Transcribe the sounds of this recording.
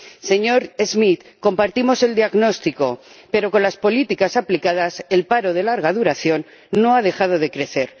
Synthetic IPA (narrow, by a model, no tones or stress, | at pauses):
se̞ɲo̞ɾezmit̪ko̞mpaɾt̪imo̞se̞ld̪iaɣno̞st̪iko̞pe̞ɾo̞ko̞nlaspo̞lit̪ikasaplikað̞ase̞lpaɾoð̞e̞laɾɣ̞að̞uɾaθjo̞nː | o̞að̞e̞xað̞o̞ð̞e̞kɾe̞θe̞ɾ